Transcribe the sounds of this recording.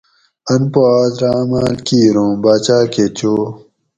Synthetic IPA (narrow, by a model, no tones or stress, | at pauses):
ɐnpoaːd̪ɾaːmaːlkiːɾõːbaːt͡ɕaːket͡ɕoː